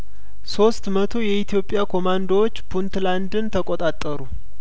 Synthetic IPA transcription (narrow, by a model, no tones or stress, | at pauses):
so̞st̪mət̪ʰo̞jɛit̪ʰjo̞pʼːjakʰo̞mand̪wot͡ʃːbunt̪land̪ɨnt̪ʰəkʼot̪ʼat̪ʼːəɾu